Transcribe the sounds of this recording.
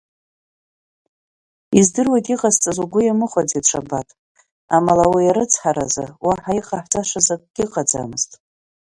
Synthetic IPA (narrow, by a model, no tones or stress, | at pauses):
izdɨrwajtʼiqʼazt͡sʼazuɡʷʊjamɨχʷad͡zedʂʰabatʼ | amalawijaɾɨt͡sʰħaɾa̰zɨ̰waħaiqʼaħtʰaʂazakʼɡ̥ʲiqʼad͡za̰mɨztʼ